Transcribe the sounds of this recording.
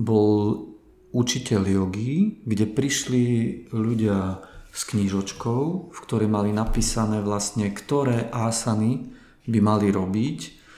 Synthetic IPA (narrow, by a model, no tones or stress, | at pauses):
bɔl | ut͡ʃicɛljɔɡiɡɟɛpɾiʃliʎuɟɪaskɲiʒɔt͡ʃkɔʊfkt̪ɔɾɛjmalinapiːsanɛːʋlast̪ɲɛkt̪ɔɾɛːʔaːsani | bimaliɾɔbic